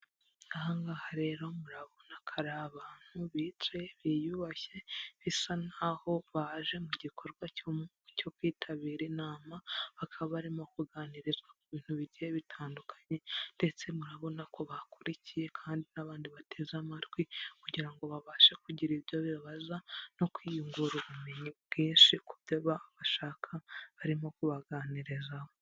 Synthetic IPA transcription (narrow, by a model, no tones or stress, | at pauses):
ŋahaŋɡahaɾe̞ɾo̞muɾaβo̞nakʰaɾaːβaːn̥huβit͡ʃe̞βijuβaçeβisanaːho̞βaʒe̞muɟikʰo̞ɾɡwacom | co̞kwiːtʰaβiːɾinaːmaβakʰaβaβaɾimo̞kuɡaːniɾizɡwakuβiːn̥huβiɾɟijeβitʰaːndukʰḁɲe̞nde̞t͡se̞muɾaβo̞nako̞βakuɾicije̞kʰaːndinaβaːndiβate̞ːzamaɾɡwikuɟiɾaŋɡo̞βaβaːʃekuɟiɾiβjoβiβaβazano̞kwijuŋɡuɾuβume̞ɲibɡiːnʃikubjoβaːβaʃaːkʰaβaɾimo̞kuβaɡaːniɾizaho̞